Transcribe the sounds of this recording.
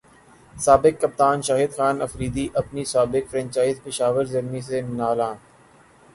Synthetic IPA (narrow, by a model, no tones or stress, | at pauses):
saːbɪkːɐp̚t̪aːnʃaːɦɪd̪xaːnɐfɾiːd̪iʔɐpnisaːbɪkfɾɛ̃nt͡ʃaːɪzpɪʃaːʋəɾzɐɾmis̬enaːlãː